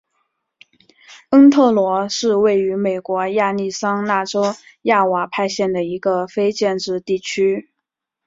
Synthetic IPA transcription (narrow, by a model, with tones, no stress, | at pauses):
ə˥ŋt̪ʰɤ˥˩lwɔ˧˥ʂɻ̩˥˧we˥˩ɪy˧˥me˨˩ɪkwɔ˧˥ja˥˧ni˥˩sɑ˥ŋna˥˩ʈ͡ʂo˥ʊja˥˩wa˧˥pʰa˥˧ɪɕjɛ˥˩nd̪ə˩i˧˥ɡə˧fe˥ɪt͡ɕjɛ˥˧nʈ͡ʂɻ̩˥˧t̪i˥˩t͡ɕʰy˥